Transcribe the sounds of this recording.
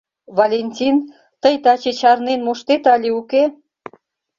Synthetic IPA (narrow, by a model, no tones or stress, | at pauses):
βɑlʲenʲtʲin | t̪əjt̪ɑt͡ɕet͡ɕɑrnenmoʃt̪et̪ɑlʲiuke